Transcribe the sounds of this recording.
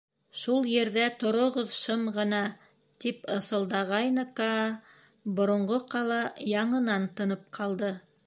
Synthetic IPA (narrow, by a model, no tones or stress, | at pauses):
ʃulˠjĕɾðæt̪ŏɾŏʁoðʃɤmʁɤ̆nɑ | t̪ipɤ̆θɤ̆lˠd̪ɑʁɑjnɤkɑ | bŏɾŏɴɢoqɑlˠɑjɑɴɤ̆nɑnt̪ɤ̆nɤp̚qʰɑlˠd̪ɤ